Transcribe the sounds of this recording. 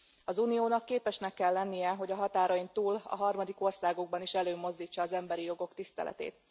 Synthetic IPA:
ɒzuːnijoːnɒkːeːpɛʃnɛkːɛlːɛnːijɛɦo̞ɟɒɦɒt̪aːɾɒjint̪uːlɒ̰ɦɒrmɒd̪iko̞rsaːɡoɡ̚bɒniʃɛløːmo̞zd̪iːt͡ʃːɒːzɛmbɛɾijo̞ɡo̞kt̪ist̪ɛ̰lʔɛ̰t̪ḛːt̪

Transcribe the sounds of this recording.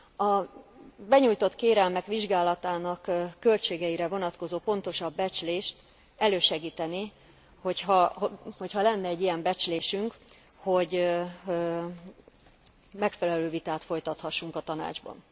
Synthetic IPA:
ɒ | bɛɲujt̪o̞t̪keːɾɛlmɛkʋiʒɡaːlɒt̪aːnɒkːø̞lt͡ʃeːɡɛiɾɛvo̞nɒt̪ko̞zoːpo̞n̪t̪o̞ʃɒbːɛt͡ʃleːʃt̪ | ɛløːʃɛɡiːt̪ɛni | ho̞chɒhho̞chɒlɛnːɛːɟːijɛmbɛt͡ʃleːʃyŋk | ho̞ɟ | mɛkfɛlɛløːvit̪aːt̪fo̞jt̪ɒt̪hɒʃːuŋkɒt̪ɒna̰ːd͡ʒbɒ̰n

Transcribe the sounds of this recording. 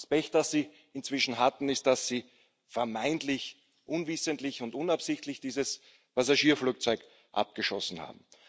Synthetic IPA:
spɛktd̥asːiː | ɪnt͡sv̥ɪʃn̩ɦatn̩ɪst̚d̥asːiː | fɛɐmaɪntlɪç | ʔʊnvɪsəntlɪçʊntʔʊnapsɪçtlɪçd̥iːzəs | pazaʃiːɐfluːk̚t͡sɔʏk | ʔa̰p̚ɡ̥əʃɔsn̩ha̰ːbm̩

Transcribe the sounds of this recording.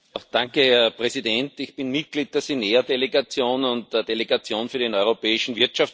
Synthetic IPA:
d̥ãŋkəhɛɐɐpʁɛzidɛntɪçpɪnmit̚ɡ̥liːt̚d̥eɐseneɐdeleɡat͡sjoːnʊnt̚dɐdeleɡat͡sjoːnfyːɐdenɔʏʁopɛːɪʃn̩viɐtʃaf

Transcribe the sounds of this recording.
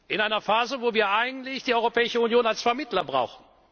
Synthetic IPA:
ʔɪnʔaɪnɐfaːzəvoːviːɐʔaɪɡŋ̩tlɪçd̥iːʔɔʏʁopʰɛːɪʃəunjoːnalsfɛɐmɪtlɐbʁa̰ʊxn̩

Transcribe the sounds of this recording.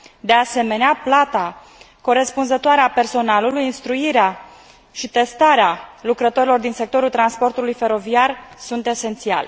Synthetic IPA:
d̪e̞ase̞me̞neaplat̪a | ko̞ɾe̞spunzət̪oaɾeape̞rso̞nalulujinst̪ɾuiɾea | ʃit̪e̞st̪aɾealukɾət̪o̞ɾilo̞rd̪inse̞k̚t̪o̞ɾult̪ɾanspo̞rt̪ulujfe̞ɾo̞viarsunt̪e̞se̞nt̪sia̰le

